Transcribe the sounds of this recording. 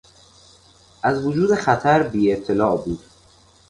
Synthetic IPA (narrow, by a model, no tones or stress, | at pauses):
ʔæzvod͡ʒuːd̪e̞xæt̪ʰæɾbiːe̞t̪ʰːelɒːbuːd̪̥